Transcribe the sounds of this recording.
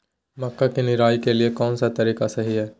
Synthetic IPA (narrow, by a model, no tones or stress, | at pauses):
mɐkːakinɪɾaːikeliekɔːnsat̪ɐɾiːqasɐɦiɦɛː